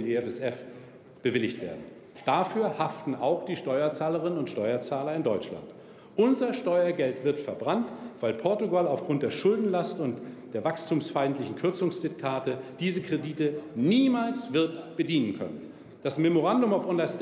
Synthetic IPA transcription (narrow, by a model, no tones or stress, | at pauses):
meɛfɛsɛf | b̥əvɪlɪçtv̥ḛːɐdn̩ | d̥afyːɐhaftn̩aʊxd̥iːʃtɔʏɐt͡saːləʁ̞ɪnənʊntʃtɔʏɐt͡saːlɐɪndɔʏt͡ʃla̰nt | ʔʊnzɐʃtɔʏɐɡɛltv̥ɪɐtfɛɐbʁantv̥aɪlpʰɔɐtuɡalaʊfɡ̥ʁʊnt̚d̥eːɐʃʊldn̩lastʊntd̥eːɐvakstʰuːmsfaɪntlɪçn̩kʰʏɐt͡sʊŋsd̥ɪk̚tʰaːtəd̥iːzəkʁ̥ediːtəniːmaːlsv̥ɪɐtb̥ədiːnənkʰœ̰nən | d̥asmɛmoʁandʊmaʊfʔɔnlas